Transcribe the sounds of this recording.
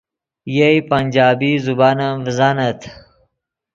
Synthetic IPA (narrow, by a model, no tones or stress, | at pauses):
jejpɐnʲd͡ʑaːbizubaːnɐvzanɐt̪ʰ